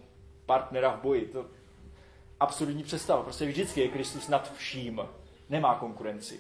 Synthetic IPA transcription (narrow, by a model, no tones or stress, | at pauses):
paɾt̪nɛɾavbo̞jɪt̪o̞ | ʔapsuɾd̪ɲiːpr̝̥ɛt̪st̪avapɾoscɛvʒdɪt͡skɪjɛkɾɪst̪usnat̪fʃiːm | nɛmaːko̞ŋkuɾɛnt͡sɪ̰